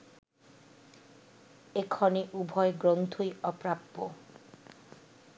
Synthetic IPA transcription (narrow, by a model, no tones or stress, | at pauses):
ekʰɔniʔubʱɔeɡɾont̪ʰujɔpɾapːo